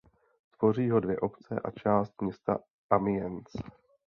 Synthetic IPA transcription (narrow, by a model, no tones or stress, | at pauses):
t̪vo̞r̝iːɦo̞dvjɛʔo̞pt͡sɛ̰ʔa̰t͡ʃaːst̪̚mɲɛst̪a̰ | ʔamɪjɛnt͡s